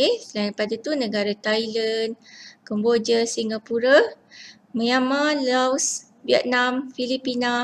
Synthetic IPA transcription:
elaɾipadat̪unə̃ɡaɾat̪ajlənkəmbod͡ʒəsiŋɡapuɾa | mə̃jamãlaws | biə̰t̪̚namfilipina

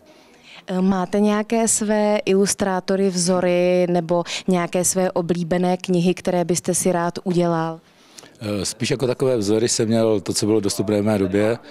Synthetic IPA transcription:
maːt̪ɛɲɛjakɛːsvɛːʔɪlust̪ɾaːt̪o̞ɾɪvzo̞ɾɪnɛbo̞ɲɛjakɛːsvɛːʔo̞bliːbɛnɛːkɲɪɦɪkt̪ɛɾɛːbɪst̪ɛsɪɾaːt̪ʔuɟɛlal | spiːʃjakot̪akovɛːvzoɾɪsɛmːɲɛlt̪ot͡sobɪlodost̪upnɛːvmɛːdobjɛ

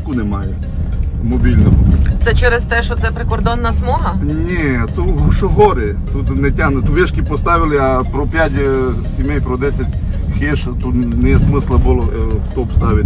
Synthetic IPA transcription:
kunɛmɑjɛ | mɔbʲilʲnɔɦʊt̪sɛt͡ʃɛɾest̪ɛʃɔt̪sɛpɾekɔrd̪ɔnːɐsmɔɦɐnʲɛt̪uʃɔɦɔɾɪ | t̪ut̪nɛtʲanɐt̪uʋʲɛʃkʲipɔst̪ɑʋʲɪlˠɪɐpɾɔpʲjatʲ | sʲimʲejpɾɔd̪ɛsʲɐtʲ | xeʃt̪ut̪nɛjɛsmɪslˠɐbʊlˠɔft̪ɔpst̪ɑʋʲɪtʲ

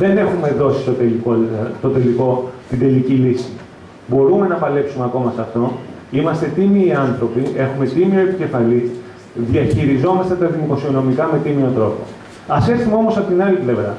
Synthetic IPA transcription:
ðe̞ne̞xume̞ðo̞si̥st̪ot̪elikot̪o̞t̪e̞liko̞t̪ind̪e̞licilisi̥ | bo̞ɾume̞nɐpɐle̞psume̞ɐko̞mɐsɐft̪o̞imɐst̪e̞t̪imiːɐnθɾo̞pie̞xume̞t̪imio̞e̞pice̞fɐli | ðiɐçiɾizo̞mɐst̪et̪ɐðimokosio̞no̞mikɐme̞t̪imio̞t̪ɾo̞po̞̰ | ɐseθumo̞mo̞sɐpot̪inɐlivevɾɐ

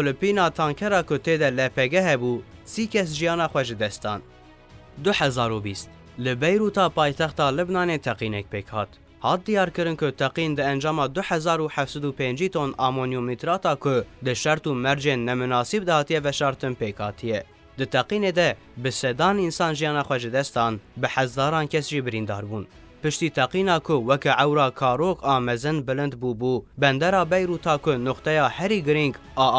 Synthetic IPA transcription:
pʊlɨpiːnɑːt̪ʰɑːŋkʰɛɾɑːkʊt̪eːd̪ɛlɛpʰɛɡɛɦɛbuːsiːkʰɛs̬ʒijɑːnɑːxʷɛʒɨd̪ɛst̪̚d̪ɑ̰ːn | d̪ʊħɛzɑːɾubiːst̪ | lɨbɛjɾuːt̪ɑːpɑːjt̪ʰɛxt̪ɑːlɨbnɑːneːt̪ʰɛqiːnɛk̚peːkhɑ̰ːt̪ | hɑːt̪̚d̪ijɑːɾkɨɾɨnkʊt̪ʰɛqiːnd̪ɨɛnd͡ʒɑːmɑːd̪ʊħɛzɑːɾuːħɛfsɛd̪uːpẽːnd͡ʒiːt̪ʰoːnɑmonjomit̪ɾɑːt̪ɑːkʰʊd̪ɨʃɛɾt̪uːmɛɾd͡ʒeːnːɛmʊnɑːsib̚d̪ɛhɑːt̪ijɛvɛʃɑːɾt̪ɨnpeːkhɑːt̪ʰijɛ | d̪ɨt̪ʰɛqiːneːd̪ɛ | bɨsɛd̪ɑːninsɑːnʒijɑːnɑːxʷɛʒɨd̪ɛst̪ɑːnbɨħɛzɑːɾɑːnkʰɛsʒiːbɨɾiːnd̪ɑ̰ːɾbuːn | pɨʃt̪iːt̪ʰɛqiːnɑːkʰʊwɛkɛʕɛwɾɑːkʰɑːɾokɑːmɛzɨnbɨlɨnd̪buːbuːbɛnd̪ɛɾɑːbɛjɾuːt̪ʰɑːkʰʊnʊqt̪ɛjɑːhɛɾiːɡɨɾiŋɡ | ɑː

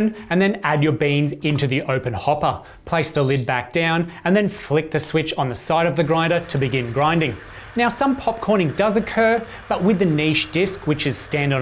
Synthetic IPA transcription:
nɨ̃nðɨ̃nædjə˞bĩnzɪ̃ntʉðiʔoʊpɨ̃nhɑpə˞ | pʰl̥eɪsðəlɪd̚bæk̚d̥ãʊ̃nɨ̃nðɨ̃nflɪk̚ðɨswɪt͡ʃn̩ðɨsaɪɾʌvðɨɡɹãɪ̃ndə˞ɾɨbɨɡɪ̃nɡɹãɪ̃ndɪ̃ŋ | naʊsʌ̃mpʰɑp̚kʰɔɹɾ̃ɪ̃ŋdʌzɨkʰɜ˞ | b̥ʌʔ̚wɨðɨniʃd̥ɪskwɨt͡ʃɨz̥stæ̃ndɪ̃n

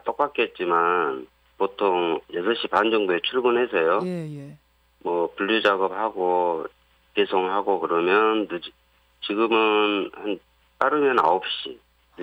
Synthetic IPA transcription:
t͈ʌk̚p͈ak͈et̚t͡ɕ͈iman | potʰoŋjʌsʰʌɕ͈ʰipand͡ʑʌŋboet͡ɕʰuɭbunɦe̞sʰʌjo | mwʌpuʎːud͡ʑaɡʌp̚haɡo | kesʰoŋɦaɡokɯɾʌmjʌnːɯd͡ʑi | t͡ɕiɡɯmɯnhan | t͈aɾɯmjʌna̰op̚ɕ͈i

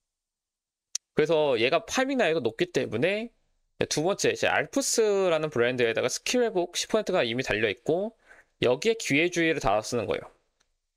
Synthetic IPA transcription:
kɯɾe̞sʰʌje̞ɡapʰamiŋnaeɡonop̚k͈it͈e̞mune̞ | tubʌnt͡ɕ͈e̞id͡ʑḛa̰ɭpʰɯs͈ʰɯɾanɯnpɯɾendɯedaɡasʰɯ̥kʰiɾebok̚ɕʰi̥pʰʌsʰentʰɯɡaimitaʎːʌit̚k͈o | jʌɡie̞kie̞d͡ʑuiɾɯɭta̰as͈ɯnɯnɡʌ̰jo̰

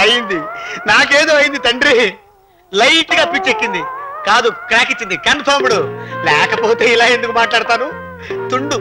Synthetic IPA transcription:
ɐjind̪inaːk̬e̞ːd̪oːɐjind̪it̪ɐɳɖɾi | lɐjʈɡaːpit͡ʃːekːind̪ikaːd̪ukɾaːkit͡ʃːind̪ikɐnt̪ʰoːmuɽulɛːkɐpo̞ːt̪e̞ːilaːe̞nd̪ukumaːʈlaːɽt̪aːnu | t̪uɳɖu

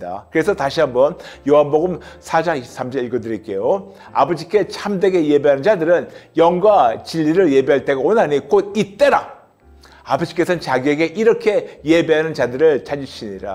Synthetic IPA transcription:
da̰kɯɾe̞sʰʌtaɕʰiɦambʌnjoɦanboɡɯmsʰad͡ʑaŋiɕʰi̥sʰamd͡ʑʰʌiɭɡodɯɾik͈e̞jo | a̰bʌd͡ʑik͈e̞t͡ɕʰamde̞ɡe̞je̞beɦanɯnd͡ʑadɯɾɯnjʌŋɡwat͡ɕiʎːiɾɯɭje̞beɦaɭt͈e̞ɡaonɦaɲikodit͈e̞ɾa | abʌd͡ʑi̥k͈e̞sʰʌnɯnt͡ɕaɡie̞ɡe̞ʔiɾʌkʰe̞je̞be̞ɦanɯnt͡ɕadɯɾɯɭt͡ɕad͡ʑiɕʰiɲiɾa̰

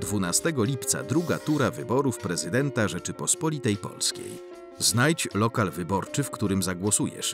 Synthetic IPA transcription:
d̪vunast̪ɛɡɔlʲipt̪sa̰d̪ɾuɡat̪uɾavɘbɔɾufpɾɛzɘd̪ɛnt̪aʐɛt͡ʂɘpɔspɔlʲit̪ɛjpɔ̰lskʲḛj | znajt͡ɕlɔkalvɘbɔɾt͡ʂɘfkt̪uɾɘmzaɡwɔsujɛ̰ʂ

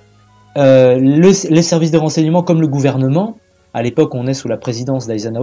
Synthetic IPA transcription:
ølələsɛʁvis̬d̪əʁɑ̃sɛɲəmɑ̃kɔmləɡuvɛʁnəmɑ̃ | alepɔkɔ̃nɛsulapχezid̪ɑ̃sd̪ajzana

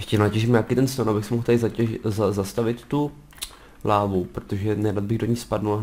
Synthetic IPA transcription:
jɛʃcɛnacɛʒɪmɲakiːt̪ɛnst̪anʔabɪxsɛmoɦlt̪aɪzzazast̪avɪt̪ːu | laːvupɾot̪oʒɛnɛdad̪̚bɪɣdoɲixspadnula

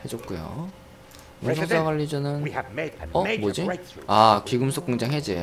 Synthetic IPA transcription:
he̞d͡ʑok̚k͈ujo̰ | junsʰoŋs͈ʰaɡwaʎːid͡ʑʌnɯn | ʌbod͡ʑiakiɡɯmsʰok͈uŋd͡ʑaŋɦed͡ʑe

